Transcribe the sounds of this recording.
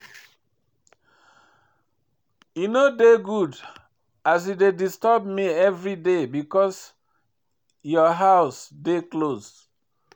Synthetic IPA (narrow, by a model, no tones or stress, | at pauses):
junodeɡud | as̬idedistɔbmiɛvɹidebikɔs | jɔɦaʊsdekloz